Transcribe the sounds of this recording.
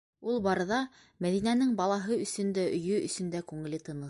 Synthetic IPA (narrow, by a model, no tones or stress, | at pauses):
ulˠbɑɾɤ̆ðɑ | mæðinænɘŋbɑlˠɑɦɤɵ̆sɵ̆nd̪æɵ̆jɵɵ̰̆sɵ̆nd̪ækʉŋɘ̆lɘt̪ɤ̆nɤ̆